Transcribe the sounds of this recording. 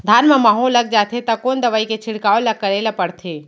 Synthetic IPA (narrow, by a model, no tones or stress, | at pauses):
d̪ʱaːnmemaɦolːɐɡ̚d͡ʒaːt̪ʰet̪ɐkoːnd̪əʋaːiket͡ʃʰɪɽkaolakəɾelapəɽt̪ʰe